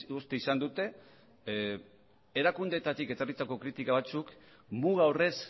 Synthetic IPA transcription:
ust̪e̞isand̪ut̪e̞ | eɾakund̪et̪at̪ike̞t͡s̪orit͡s̪ako̞kɾit̪ikaβat͡suk | muɣaore̞s

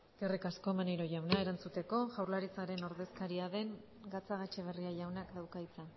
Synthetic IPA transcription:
ske̞rikasko̞maneɾo̞ʝawnae̞ɾant͡sut̪e̞ko̞ʝawɾlaɾit͡saɾe̞no̞ɾðe̞skaɾiaðe̞ŋ | ɡat͡saɣ̞at͡ʃeβ̞e̞riaʝawnakd̪awkajt͡sa

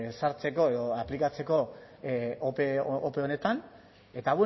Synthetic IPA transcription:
saɾt͡se̞ko̞e̞ðo̞aplikat͡se̞ko̞ | opeope̞one̞t̪an | e̞t̪aβwe

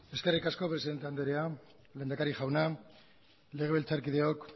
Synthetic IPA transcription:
e̞ske̞rikasko̞pɾeiðent̪e̞and̪eɾea | le̞nd̪akaɾiʝawna | le̞ɣelt͡saɾkiðe̞ok

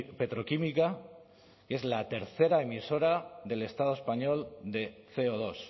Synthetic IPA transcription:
pe̞t̪ɾo̞kimika | ke̞zlat̪e̞ɾθe̞ɾaemiso̞ɾaðe̞le̞st̪að̞oespaɲo̞ld̪e̞θe̞oð̞o̞s

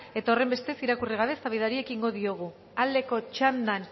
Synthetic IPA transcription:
e̞t̪ao̞re̞mbe̞st̪e̞siɾakuriɣ̞aβe̞saβ̞iðaɾie̞kiŋɡo̞ðio̞ɣ̞u | ald̪e̞ko̞t͡ʃand̪an

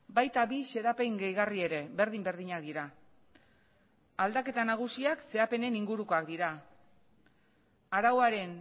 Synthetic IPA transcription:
bajt̪aβise̞ðape̞jŋɡejɣarie̞ɾe̞βe̞ɾðimbe̞ɾð̞iɲak̚d̪iɾa | ald̪ake̞t̪anaɣ̞usiakse̞ape̞ne̞niŋɡuɾuko̞akd̪iɾa | aɾawaɾe̞n

